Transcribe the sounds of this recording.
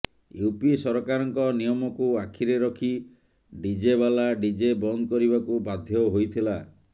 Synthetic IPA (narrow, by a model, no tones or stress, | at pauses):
jupisɔɾɔkaɾɔŋkɔnijɔmɔkuakʰiɾeɾɔkʰi | ɖid͡ʒeβalaɖid͡ʒebɔnd̪ɔkɔɾiβakubad̪ʱjɔɦojt̪ʰila